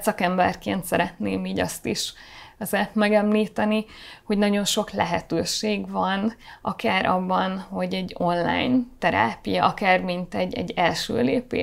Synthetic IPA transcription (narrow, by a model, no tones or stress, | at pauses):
sɒkɛmbɛrkeːnt̪sɛɾɛt̪neːmiːɟɒ̰st̪iʃɛzɛt̪mɛɡɛmliːt̪ɛniho̞ɟnɒɟo̞nʃo̞klɛɦɛt̪øːʃeːɡvɒnʔɒkaːɾʔɒ̰bːɒnho̞ɟɛɟːo̞nla̰ːjnt̪ɛɾa̰ːpijɛʔɒkaːrmint̪ɛɟːɛ̰ɟːɛlʃø̰ːlḛːpḛː